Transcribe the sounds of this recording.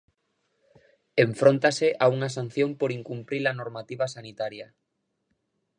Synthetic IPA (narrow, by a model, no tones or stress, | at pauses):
eɱfɾont̪aseʔauŋas̬an̟θjompoɾiŋkumpɾilanoɾmat̪iβ̞asanit̪aɾjɐ